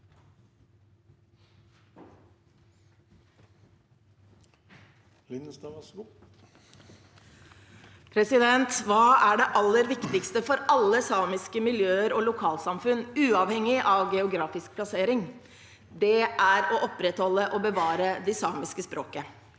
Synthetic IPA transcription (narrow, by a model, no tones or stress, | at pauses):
lɪnəst̪ɑʋs | pʰɾɛsɪd̪ɛnt̪ʋɑːæɖɛʔɑlːəɾʋɪkt̪ɪkst̪əfɔɾɑlːəsɑːmɪskəmɪljøːəɾoːlʊkʰɑːlsɑmfʉnʉːɑʋhɛŋɪʔɑːʋɡɛʊɡɾɑːfɪsk̚pʰlɑseːɾɪŋ | d̪ɛæɾɔʔɔpɾɛt̪hɔlːəʔobəʋɑːɾəd̪ɛsɑːmɪskəspɾoːkə